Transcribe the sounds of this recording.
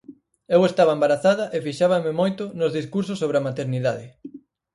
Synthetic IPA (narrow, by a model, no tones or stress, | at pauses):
ewest̪aβɐembaɾaθaðɐʔefiʃaβɐmɪmojt̪ʊnʊzðiskuɾs̬osːoβɾeɐmat̪eɾniðaðɪ